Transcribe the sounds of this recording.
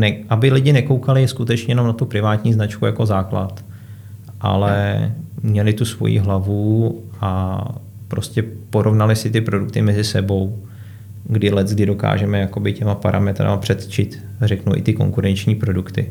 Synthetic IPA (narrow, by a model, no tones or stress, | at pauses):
nɛʔabɪlɪɟɪnɛko̞wkalɪskut̪ɛt͡ʃɲɛjɛnomnat̪upɾɪvaːt̪ɲiːznat͡ʃkujako̞zaːklat̪ | ʔa̰lɛmɲɛlɪt̪usvo̞̰jḭːɦlavu | a | pɾo̞scɛpo̞ɾʔo̞vnalɪsɪt̪ɪpɾo̞duk̚t̪ɪmɛzɪsɛbo̞w | ɡdɪlɛt̪ɡdɪdo̞ka̰ːʒɛmɛjako̞bɪcɛmapaɾa̰mɛt̪ɾa̰mapr̝̥ɛt̪t͡ʃɪt̪ | rɛknuʔɪ̰t̪ɪko̞̰ŋkuɾɛnt͡ʃɲiːpɾo̞dukt̪ɪ̰